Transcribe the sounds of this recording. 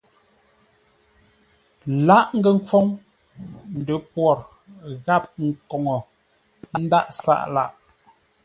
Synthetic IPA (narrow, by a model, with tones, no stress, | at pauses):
la˦ʔŋ̩˦ɡə˨ŋ̩˦p͡fɔ˦ŋ | n̩˨də˨pwɔ˨ɾ | ɣa˦˨p̚ŋ̩˨kɔ˨ŋɔ˨ | na˨˦n̩˦da̰˦ʔsa̰˦˨ʔla̰˦˨ʔ